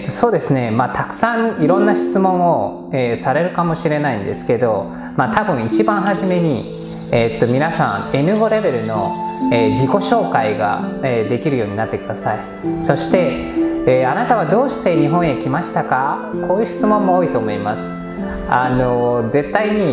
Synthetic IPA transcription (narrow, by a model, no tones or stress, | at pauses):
t̪ːo̞so̞ːd̪e̞sɨne̞maːt̪ʰakɯ̥sãŋiɾõ̞nːaɕi̥t͡sɨmõ̞ɰ̃o̞ | eːsaɾe̞ɾɯ̟kamo̞ɕiɾe̞naĩnd̪e̞sɨ̥ke̞d̪o̞ | mat̪abɯ̟̃ɰ̃it͡ɕibãɰ̃ɦaʑime̞ɲ̟i | et̪ːo̞mʲinasã̰ŋ̃e̞nɯ̟ɡo̞ɾe̞be̞ɾɯ̟no̞eːd͡ʑiko̞ɕo̞ːkaiɡa̰ed̪e̞kʲiɾɯ̟jo̞ːɲinat̪ːe̞kɯ̟d̪asai | so̞ɕi̥t̪e̞ː | anat̪aβad̪o̞ːɕi̥t̪e̞ɲ̟iɦõ̞ɰ̃jekʲimaɕi̥t̪akakoːjɯ̟ːɕi̥t͡sɨmõ̞mːo̞oːit̪o̞ːmo̞ima̰sɨ̥ | ano̞ze̞t̪ːaiɲ̟i